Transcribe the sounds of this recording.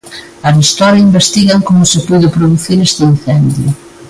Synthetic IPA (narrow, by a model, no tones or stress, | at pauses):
ɐrist̪ɔɾɐimbest̪iɣɐŋkomʊsɪpuðɪpɾoðuθiɾest̪ɪin̟θɛnd̪jʊ̰